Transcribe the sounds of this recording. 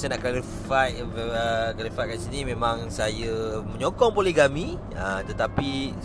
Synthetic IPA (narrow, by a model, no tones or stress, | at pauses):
sanaʔklali | fat | əkalifat̪̚kansinĩmẽmãŋsajəmə̃ɲokɔŋpolɛhɡamĩ | ət̪ət̪api